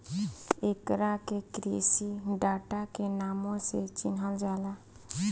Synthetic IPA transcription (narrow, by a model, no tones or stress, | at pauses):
ekɾakekɾḛsiɖaʈakenamõset͡ʃinɦəld͡ʒala